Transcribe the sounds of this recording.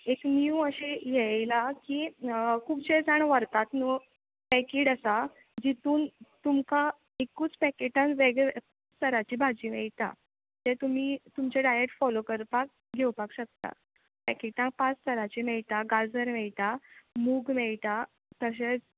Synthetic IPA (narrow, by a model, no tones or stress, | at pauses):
ekniuəɕejɛlakikʰubt͡ɕed͡zaɳʋəɾt̪at̪nə | pɛkiːʈəsa | d͡ʑit̪uːnt̪umka | ekuːt͡spɛkeʈãnʋeɡɭɛʋekut͡st̪ʰəɾat͡ɕibʱad͡ʑiːmɛɭt̪a̰ | t̪et̪um̤iːt̪umt͡ɕaɖajeʈfɔlokəɾpak̚ | ɡʱewpakɕək̚t̪a̰ | pɛkeʈãŋk̚pãt͡st̪ʰəɾat͡ɕimɛɭt̪aɡad͡zəɾmɛɭt̪amuːɡmɛɭt̪a | t̪əɕ̬et͡s